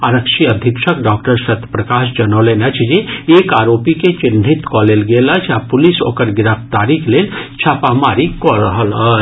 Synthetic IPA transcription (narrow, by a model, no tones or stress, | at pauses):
aɾəkʃiəd̪ʱikʃəkɖɔːk̚ʈəɾsɐt̪ːpɾɐkaːʃd͡ʒɐnolenɐt͡ʃʰd͡ʒieːkaːɾoːpiket͡ʃɪn̤ːit̪kɔlelɡelət͡ʃʰapʊliso̰ːkəɾɡɪɾəft̪aːɾikʰlent͡ʃʰapamaːɾikɔɾəɦələ